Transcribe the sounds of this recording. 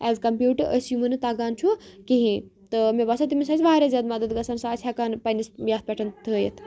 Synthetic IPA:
ɛːzkɐmpʲjuːʈəɾʔɐsjumɨnɨt̪aːɡaːnt͡ʃʰukiɦĩt̪ɨmebaːsɐt̪̬imʲisaːsʲʋaːɾʲaːzʲaːd̪mɐd̪əd̪ɡɐsɐnsaːt͡sʲʰakaːnpɐnisjaːt̪̚pʲeʈʰɐnt̪ʰɨjet̪ʰ

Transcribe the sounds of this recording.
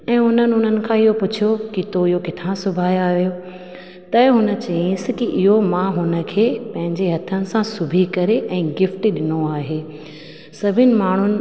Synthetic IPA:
ɛ̃ːʊn̤ənɪ̆ɦʊn̤ənɪ̆kʰãɪɦopʊt͡ɕʰijokit̪oiɦokɪt̪ʰãsʊbʱaːjaːɦijo | t̪ɐɦʊnə̆t͡ɕɐĩsɪkiʔɪɦomãɦʊnə̆kʰeːpɐ̃ɦɪ̃ɲd͡ʑeɦɐt̪ʰənɪ̆sãsʊbʱikɐɾeʔɛ̃ːɡɪfʈɗɪnoaːɦeː | sɐbʱɪnɪ̆maːɳ̤ʊnɪ̆

